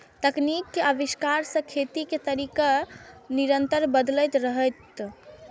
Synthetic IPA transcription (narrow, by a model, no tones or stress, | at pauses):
t̪əknikːeəbiskaɾsə̃kʰet̪iket̪əɾikaniɾənt̪əɾbəd̪ləjt̪ɾəɦəjt̪